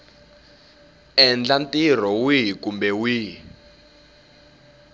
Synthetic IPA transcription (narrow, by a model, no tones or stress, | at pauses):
ɛnd͡ɮantʼir̤ɔwiɦkumbɛwi